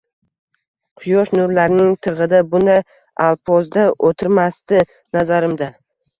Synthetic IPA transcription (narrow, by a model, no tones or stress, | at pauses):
qʰʊjɒʃnʊɾlaɾnɪŋt̪ʰɨʁɨd̪abʊna | alˠpʰɒzd̪aʔot̪ʰɪɾmast̪ɪ | nazaɾɪmd̪a